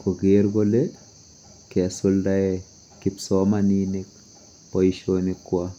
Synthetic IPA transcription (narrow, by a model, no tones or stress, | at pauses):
koɡeɾɡole | kesuldae | kipsɔmaninik̚ | pɔiʃonikːwa